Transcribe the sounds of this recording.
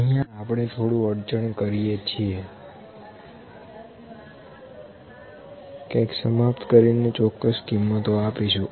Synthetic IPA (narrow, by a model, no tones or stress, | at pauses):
əɦijãapəɳ̃et̪ʰoɽũəɽt͡ʃəɳkəɾijet͡ʃʰie | kajksəmapt̪kəɾinet͡ʃɔkːəskimːət̪oapiʃũ